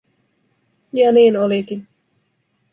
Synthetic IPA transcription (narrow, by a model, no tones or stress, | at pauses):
jɑniːnolikin